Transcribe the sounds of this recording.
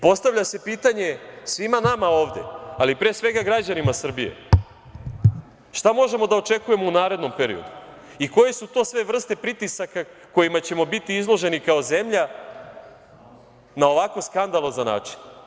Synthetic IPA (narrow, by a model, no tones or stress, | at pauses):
po̞st̪aʋʎase̞piːt̪aɲe̞sʋimanamao̞ːʋd̪e̞̰alipɾesʋe̞ɡaɡɾad͡ʑanimasr̩bije̞̰ | ʃt̪amo̞ʒe̞mo̞d̪ao̞t͡ʃe̞kuje̞mo̞unaːɾe̞d̪no̞mpe̞ɾḭo̞̰d̪u | iko̞je̞sut̪o̞ːsʋe̞ʋr̩st̪e̞pɾit̪isaka | ko̞jimat͡ɕe̞mo̞bit̪iizlˠo̞ʒe̞nikaoze̞mʎa | nao̞ʋako̞skand̪alˠozana̰ːt͡ʃi̥n